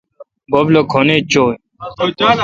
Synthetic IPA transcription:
boblokʰonet͡ɕoː

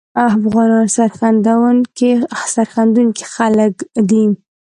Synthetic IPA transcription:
afɣɑnɑnsaɾxand̪awənkesaɾxand̪uŋki̥xaləkd̪i

